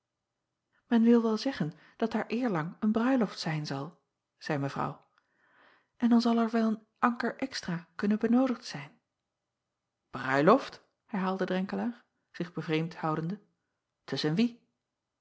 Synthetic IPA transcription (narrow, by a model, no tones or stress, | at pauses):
mɛnʋɪlˠʋɛlˠzɛχən | d̥ɑt̚aːɹʔɪːɹlɑŋənbrœɥlɔftsɛjnzɑlˠ | z̥ɛjməvrɑ̰w | ʔɛndɑnzɑlˠɛɹʋɛlˠən | ʔɑŋkəɹʔɛkstraːkɵnəbənowdəχtsɛjn | b̥rœ̰ɥlɔft | hɛɹɦaːlˠdədrɛŋkəlaːɹ | z̥ɪχb̥əvrejmthɑwdəndə | tʰɵsənʋi